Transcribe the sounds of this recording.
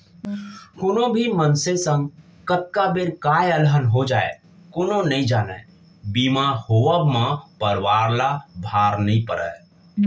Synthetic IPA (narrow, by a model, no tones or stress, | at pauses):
kʊnõbʱimənsesə̃ŋɡ | kət̪̚kabeɾkaːjəlɦənɦod͡ʒaːḛ | kʊnõnəĩd͡ʒaːnɛ̰ | bimahoːəbmãpəɾwaːɾlabʱaːɾnəɦĩpəɾə̰